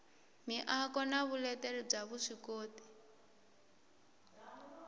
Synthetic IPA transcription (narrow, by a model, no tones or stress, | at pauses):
miʔakɔnaβulɛtɛɺɛb͡ʐaβuʂikoːti̥